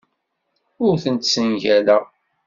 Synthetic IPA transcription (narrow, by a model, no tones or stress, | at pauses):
ʊɾθənt̪sənʝælæ